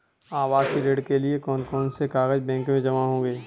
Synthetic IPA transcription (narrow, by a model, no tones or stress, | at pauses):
aːʋaːsiɾeːɖkeliekɔːnkɔːnsekaːɣəd͡ʒbɛ̃ːŋkmẽd͡ʒɐmaɦõːɡeː